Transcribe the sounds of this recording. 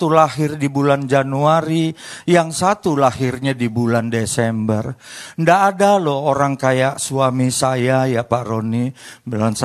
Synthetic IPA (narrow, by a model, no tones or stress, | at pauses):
t̪ulaɦɪrdibuland͡ʒanuaɾijaŋsat̪ulaɦɪrɲadibulandesɛmbərndaʔːdalooɾaŋkajaʔsuamisajajapaɾonibilns